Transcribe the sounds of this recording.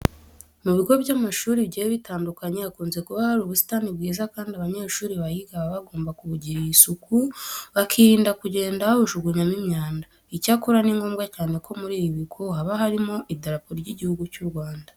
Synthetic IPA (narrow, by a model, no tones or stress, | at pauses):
muβiɡo̞βjamaʃuːɾiβɟieβitaːndukaɲeβakuːnze̞kuβahaɾuβusi̥taːnibɡiːzakaːndiaβaɲe̞ʃuːɾiβajiɡaβaβaɡo̞ːmbakuβuɟiɾijisukuβakʰiɾiːndakuɟe̞ːndauʒuɡuɲamimɲaːnda | icakuɾaniːŋɡo̞ːmɡacaːne̞ko̞muɾiːβiβiɡohaβaɦaɾimo̞ʔideɾapoɾijɟiɟihuɡucuɾɡwaːnda